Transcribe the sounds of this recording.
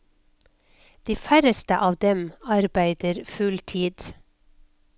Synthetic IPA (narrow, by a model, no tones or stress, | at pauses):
d̪̥iːfæɾəst̪əʔɑːʋd̪ɛmɑɾbæɪd̪əɾfʉlt̪ʰiːd̪̥